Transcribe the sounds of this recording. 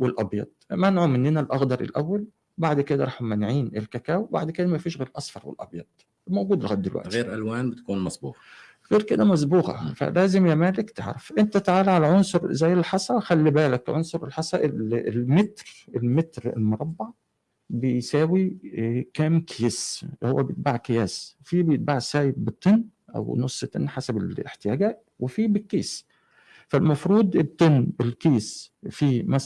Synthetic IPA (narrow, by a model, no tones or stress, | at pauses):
welʔɑbjɑ̰d̪̥̚ˤmænʕumɪnːɪnælʔɑxd̪ɑɾˤʔɪ̰lʔæwːæl | baʕd̪ked̪æɾˤɑːħmænʕiːnʔɪlkækæːwba̰ʕd̪ked̪æmæfiːʃɣeːɾʔɑsˤfɑɾˤwḛlʔɑ̰bjɑd̪̥̚ˤ | mowɡuːd̪ɪlɣæ̰d̪ːɪlwæ̰ʔ̪ɣeːɾʔælwæːnbɪt̪kuːnmæsbṵːq | ɣeːɾked̪æmæs̬buːqɑ̰fæ̰læːzɪmjæːmæːlɪkt̪ḛʕɾɑfʔent̪æt̪aʕaːlʕalæʕonsˤʊɾˤzæjːɪlħɑsˤɑxælːibæːlækʕonsˤoɾelħɑsˤɑʔellmet̪ɾelmet̪ɾḛlmoɾˤɑbːɑʕ | bejsæːwikæːmkʰjeshowːæbejet̪̚baʕkɪjæːsfibejet̪̚baʕsæːjɪbbɪt̪ˤːenː | ʔæ̰wnosˤːt̪ːˤenːħasæbelḛħt̪ɪjæːɡæːʔ | wefiːbɪkːiːs | fælmɑfɾuːd̪̚ˤt̪ˤːenːbɪlkiːsfiːmæ